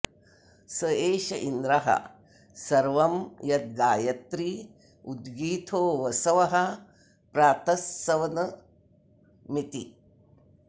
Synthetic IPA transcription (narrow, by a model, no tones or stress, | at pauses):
sɐeːʃɐʔind̪ɾɐɦɐ̰ | sɐɾʋɐmjɐt̪̚ɡaːjɐt̪ɾi | ud̪ɡiːt̪ʰoːʋɐsɐʋɐɦɐ | pɾaːt̪ɐsːɐʋɐnɐ | mit̪i